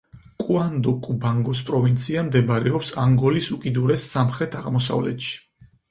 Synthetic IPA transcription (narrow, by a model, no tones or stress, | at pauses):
kʼuand̪ɔkʼubaŋɡɔs̬pʼɾɔvint̪sʰiamd̪ɛbaɾɛɔpsaŋɡɔlisukʼid̪uɾɛsːamχɾɛt̪ʰaʁmɔs̬a̰vlɛ̰t̪ʃi̥